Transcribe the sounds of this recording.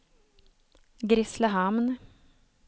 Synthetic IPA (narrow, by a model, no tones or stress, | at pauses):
ɡɾʏsləɦɑmn